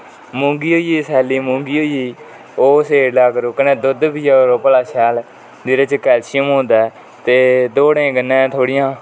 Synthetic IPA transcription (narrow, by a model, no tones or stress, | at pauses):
mʊ̃ːŋɡiːɦoːiiːsɛːliːmʊ̃ːŋɡiːɦoːiiː | oːseːɾlaːkəɾoːkənẽːd̪ʊd̪biːjaːɾoːpəlaːʃɛːl | d̪ɪɾet͡ʃkɛːlʃɪjəmɦõːnd̪aː | t̪eːd̪oːɽẽːɡənːɛ̃ːt̪ʰoːɽɪjãː